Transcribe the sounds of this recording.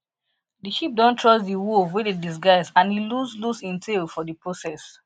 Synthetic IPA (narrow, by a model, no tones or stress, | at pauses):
diʃip̚dɔ̃ntʰɹɔsdiwulvwɛdedis̬ɡaɪsãniluzlusĩntʰelfɔdəpɹosɛs